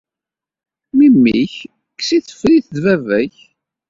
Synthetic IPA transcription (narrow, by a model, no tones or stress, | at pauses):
mimːiç | ksiθə̥fɾiθðvævæç